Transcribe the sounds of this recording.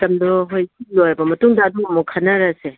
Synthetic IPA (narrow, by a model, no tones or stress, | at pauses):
tɐmdɔɦojsilojɐbɐmɐtuŋdaːduɐmɔkʰɐnɐɾɐse